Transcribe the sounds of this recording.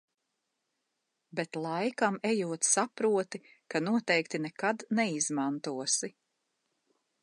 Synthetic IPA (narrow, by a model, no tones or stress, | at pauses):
bɛt̪lˠajkamɛjuɔt̪sapɾuɔt̪i | kanuɔt̪ɛjkt̪inɛkad̪nɛizmant̪uɔsi